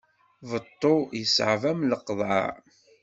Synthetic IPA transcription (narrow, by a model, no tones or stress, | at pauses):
vət̪ˤːojəsʕvæmləqːðˤɑ̰ʕ